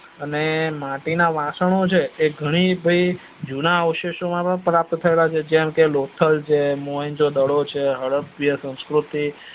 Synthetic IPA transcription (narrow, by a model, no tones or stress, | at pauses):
ənemãʈinaʋãsəɳ̃ot͡ʃʰeːɡʱəɽ̃ibʱəi | d͡ʒunaəʋəʃeʃomãpəɳpɾap̚t̪ət̪ʰəelat͡ʃʰed͡ʒɛmkelot̪ʰəlt͡ʃʰemoəɲd͡ʒod̪əɽot͡ʃʰeɦəɭəpːjəsə̃w̃skɾut̪i